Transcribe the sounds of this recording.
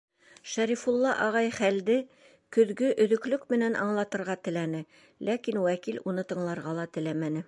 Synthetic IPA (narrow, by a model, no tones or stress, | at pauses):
ʃæɾifulˠːɑʔɑʁɑjχæld̪ɘ | kɵ̆ðɡɵʔɵ̆ðɵ̆klɵkmɘ̆nænʔɑ̰ɴlˠɑt̪ɤ̆ɾʁɑt̪ɘ̆lænɘ | lækinwækilunɤt̪ɤ̆ɴlˠɑɾʁɑlˠɑt̪ɘ̆læmænɘ